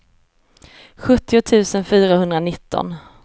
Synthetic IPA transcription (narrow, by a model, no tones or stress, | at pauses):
ɧɵt̪ːɪʊt̪ʰʉ̟ːsənfyːɾahɵnd̪ɾanɪt̪ʰːɔ̰n